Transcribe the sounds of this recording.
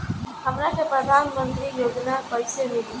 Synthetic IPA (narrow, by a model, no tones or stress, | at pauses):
ɦamɾasepɾəd̪ʱanmənt̪ɾijoɡnapəjsemil